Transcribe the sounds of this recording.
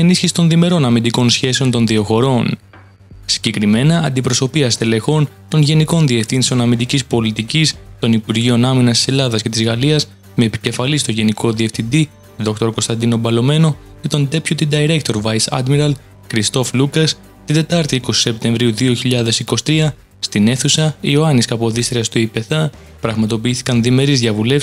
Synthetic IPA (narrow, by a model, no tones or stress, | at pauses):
e̞nisçisi̥t̪o̞nðime̞ɾo̞nɐmind̪iko̞nsçe̞seo̞nt̪o̞nðio̞xo̞ɾo̞n | si̥ɲɟe̞kɾime̞nɐːnd̪ipɾo̞so̞piɐst̪ele̞xo̞nt̪o̞nʝe̞niko̞nðie̞fθinseonɐmind̪icispo̞lit̪icist̪o̞nipuɾʝio̞nɐminɐst̪i̥se̞lɐðɐsce̞t̪izɣɐliɐs | me̞ːpi̥ce̞fɐlist̪o̞ʝe̞niko̞ðie̞fθind̪i | ðo̞k̚t̪o̞ɾko̞st̪ɐnd̪ino̞bɐlo̞me̞no̞ | ce̞t̪o̞nd̪e̞pçut̪id̪ɐiɾekt̪o̞ɾvɐjsɐ̰d̪miɾɐl | kɾist̪o̞flukɐs | t̪ind̪e̞t̪ɐɾt̪iiko̞si̥se̞p̚t̪e̞ɱvɾiuðio̞çiʎɐðe̞siko̞si̥t̪ɾiɐ | st̪ine̞θusɐio̞ɐniskɐpo̞ðist̪ɾiɐst̪uipe̞θɐ | pɾɐɣmɐt̪o̞p̬iiθi̥kɐnðime̞ɾizðjɐvule̞f